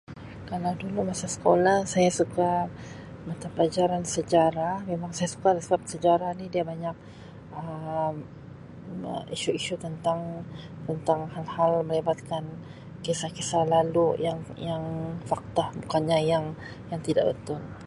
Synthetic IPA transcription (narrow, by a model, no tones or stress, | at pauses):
kalawdulumasasə̥kolahsajasuka | mat̪apəlad͡ʒaɾansəd͡ʒaɾahmemaŋsajasu̥kalasəbap̚səd͡ʒaɾanidiabaɲak̚ | əm | əiʃuiʃut̪ənt̪aŋ | t̪ənt̪aŋhalhalməlibat̪̚kan | kesahkesalalujaŋjaŋfak̚t̪ahbukanɲajaŋ | jaŋt̪idaʔbə̰t̪ʊn